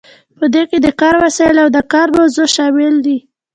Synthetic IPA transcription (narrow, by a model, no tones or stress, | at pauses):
pəd̪eked̪əkɑɾwasɑjɪlawd̪əkɑɾbozoʃɑmɪld̪i